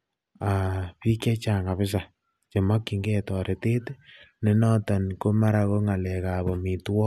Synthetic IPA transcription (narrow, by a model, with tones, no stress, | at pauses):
a˨pi˦kɛ˦t͡ʃa˨ŋa˨pɪ˦s̬a˨ | t͡ʃe˨ma˦kːi˨ŋɡe˦˨tɔ˨ɾʔe˨te˦tne˨nɔ˦tɔ˨nko˦ma˦ɾa˧ko˦ŋa˨lɛ˨ka˨bɔ˨mi˨twɔ˦